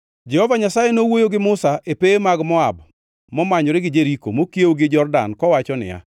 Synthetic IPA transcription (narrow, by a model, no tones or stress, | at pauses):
d͡ʒɛhɔvaɲasajenowojoɡɪmʊsaʔepemaɡmɔab | mɔmaɲɔɾɪɡɪd͡ʒeɾiko̰mokjewoɡɪd͡ʒɔrda̰nkɔwat͡ʃɔnɪ̰ja̰